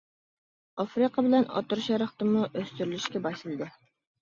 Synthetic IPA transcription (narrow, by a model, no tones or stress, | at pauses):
ɑfɾiqʰɑbɪlɛnɑ̰t̪uɾʃɑɾəχt̪ɨmuʔøst̪yɾylyʃkʲɛbɑʃlɨlˠd̪ɨ